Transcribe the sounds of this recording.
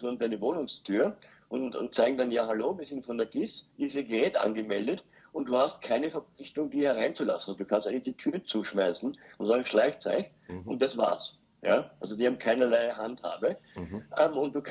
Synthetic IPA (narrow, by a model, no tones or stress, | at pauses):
sʊnd̥aɪnəvoːnʊŋstʰyːɐ | ʔʊntʊ̰nt̚t͡saɪɡŋ̩danjaːɦaloːviːɐsɪntfɔndɛːɐɡ̥ɪsʔiɪsiːɐɡəʁɛːtʔa̰nɡəmɛldət | ʊnt̚d̥uːhast̚kʰaɪnəfɛɐp͡flɪçtʊŋdiːɐhɛʁ̞aɪnt͡sula̰sn̩d̥uːkʰãnsta̰nɪçd̥iːtʰyːʁət͡suːʃmaɪsn̩ʊnzaːɡʃlaɪçt͡sa̰ɪçnʊnt̚d̥asv̥a̰ːɐs | jaːʔa̰lzodihaːbmkʰaɪnɐlaɪɦantha̰ːbəʔɛmʊnt̚d̥uːk